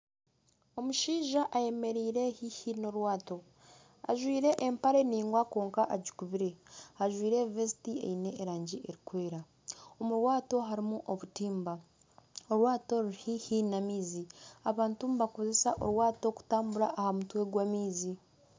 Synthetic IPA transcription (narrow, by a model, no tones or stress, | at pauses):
o̞muʃiːʒaʔaje̞me̞ɾiːɾe̞hihino̞ɾwaːto̞ | a̰ʒwiːɾe̞ʔːmpaɾe̞niːŋɡwako̞ːŋkaʔaɟikuβiɾe̞aʒwiːɾe̞vesitiḛine̞ːɾaːɲɟiʔe̞ɾikwe̞ːɾa | omuɾwaːto̞ɦaɾimuʔoβutiːmba | oɾwaːto̞ɾuɾihihinamiːziaβaːntumuβako̞ze̞saʔo̞̰ɾwaːto̞ku̥taːmbuɾaʔːhamutwe̞ɡwamiːzi